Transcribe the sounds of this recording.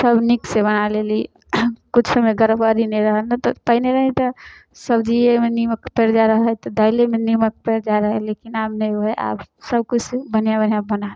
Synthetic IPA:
səbniksebənaleli | kut͡ʃʰsəmeɡəɾəbəɾinɛɾəɦəlnat̪ɔpəɦneɾəɦit̪ɔ | səbd͡ʒiemeniməkpeɾd͡ʒaɾəɦəɦɛt̪ɔd̪əɪlemenimək̚pɛɾd͡ʒaɾəɦəlekinabnɛoɦɛʔa̰bsəb̚kut͡ʃʰsebənjabənjabəna

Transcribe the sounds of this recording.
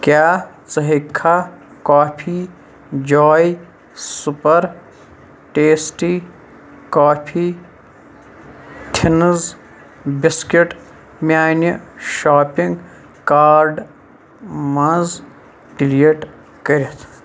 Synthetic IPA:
kʲjaː | t͡sɐɦikʰːaːkaːpʰiː | d͡ʒɔːj | supɐɾ | ʈeːsʈi | kaːpʰiː | t̪ʰinz | biskiʈ | mʲjaːnjɐʃaːpiŋɡ | kaːɾɖ | mɐ̃z | ɖilieʈ | kəɾit̪ʰ

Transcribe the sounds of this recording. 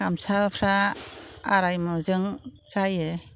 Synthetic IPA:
amsapʰɾaː | ɾajmɔzɯŋt͡ʃajɯ

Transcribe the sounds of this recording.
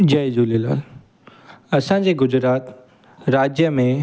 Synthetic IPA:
d͡ʑɐjd͡ʒulela̰ːl | ɐsãd͡ʑeɡʊd͡zɾaːt̪ | ɾaːd͡ʑjəmẽ

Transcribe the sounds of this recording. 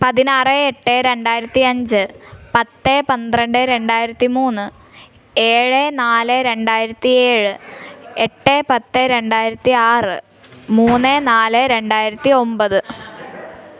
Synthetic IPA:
pɐðinaːreːʈːeɾe̞ɳɖaːjiɾɐt̪ːiɐɲd͡ʑɨpɐt̪ːepɐnd̪rɐɳɖeɾe̞ɳɖaːjiɾɐt̪ːimuːnːɨ | e̞ːɻenaːleɾe̞ɳɖaːjiɾɐt̪ːie̞ːɻɨeʈːeːpɐt̪ːeɾe̞ɳɖaːjiɾɐt̪ːiaːrɨ̰ | muːnːeːnaːleɾe̞ɳɖaːjiɾɐt̪ːio̞mbɐðɨ

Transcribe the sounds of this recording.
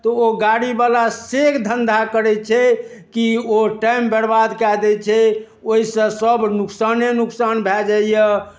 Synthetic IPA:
t̪ɔoɡaɽibalasekd̪ʱənd̪ʱakəɾɛt͡ʃʰɛ | kioʈambɛɽbad̪kad̪ɛt͡ʃʰɛ | oisə̃səbnuksanenuksanbʱɛd͡ʒaijə

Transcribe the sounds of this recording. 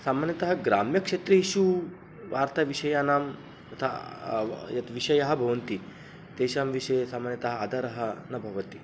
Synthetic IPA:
samanjɐt̪ɐɦɐɡɾamjɐkʂeːt̪ɾɐiʃu | ʋa̰ːɾt̪aʋiʂɐjanaːm | ɐt̪ʰa̰ | jɐt̪ʋiɕɐjɐɦɐbʱɐʋɐnt̪i | t̪eʃaːmʋiʂɐjesamanjɐt̪ɐɦɐad̪ʱɐɾɐɦɐnɐbʱɐʋɐt̪i

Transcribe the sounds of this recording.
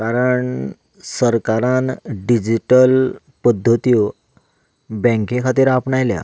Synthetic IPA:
kaɾəɳ | səɾkaɾãnɖid͡ʑiʈəl | pəd̪ʱːət̪io | bɛ̃ŋkekʰat̪iːɾapɳajlja̰

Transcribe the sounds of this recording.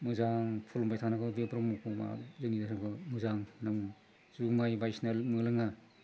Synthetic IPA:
mɯzaŋpʰulmbajtʰanaɡɯbepɾɔmupʰɔma̰zɯŋidasaɡɯmɯzaŋnaŋ | zumajbajsnelmɯlɯŋa

